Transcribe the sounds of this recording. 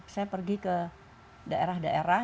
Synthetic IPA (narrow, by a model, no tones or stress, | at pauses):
sajapərɡikə | daeɾahdaʔeɾa